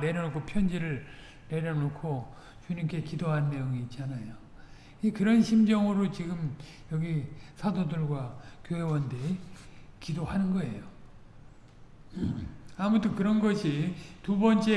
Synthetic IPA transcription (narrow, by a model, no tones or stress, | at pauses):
ne̞ɾjʌnokʰopʰjʌnd͡ʑiɾɯɭ | ne̞ɾjʌnokʰo | t͡ɕuɲimk͈e̞kidoɦannːe̞joŋiːt̚t͡ɕ͈anajo | ikɯɾʌnɕʰimd͡ʑʌŋɯɾot͡ɕiɡɯm | jʌɡisʰadodɯɭɡwakjoɦe̞wʌnde̞ | kidoɦanɯnɡʌe̞̰jo | amutʰɯkɯɾʌnɡʌɕʰitubʌnt͡ɕ͈e